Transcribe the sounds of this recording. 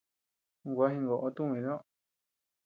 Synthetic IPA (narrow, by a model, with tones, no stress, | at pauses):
ɡʷa˦ɦĩ˧ŋɡo˨ʔo˧t̪ũ˦˧ĩ˧ɾõ˦